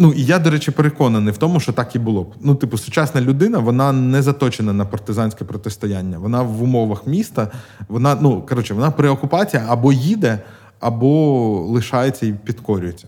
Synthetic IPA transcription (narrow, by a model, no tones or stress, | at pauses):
nuʔijad̪ɔɾɛt͡ʃɪpeɾekɔnɐnɪjwt̪ɔmʊʃt͡ʃɔt̪ɑkibʊlˠɔbnut̪ɪpʊsʊt͡ʃɑsnɐlʲʊd̪ɪn̪ɐʋɔnɑnɛzɐt̪ɔt͡ʃenɐnɐpɐrt̪ɪzɑnʲsʲkɛpɾɔt̪ɪst̪ɔjanʲːɐʋɔnɑʋʊmɔʋɐxmʲist̪ɐʋɔnɑnukɐɾɔt͡ʃɪʋɔnɑpɾɪɔkʊpɑt͡sʲijɐɐbɔjid̪ɛ | ɐbɔlˠɪʃɑjet͡sʲːɐipʲit̪kɔɾʲʉjet͡sʲːɐ̥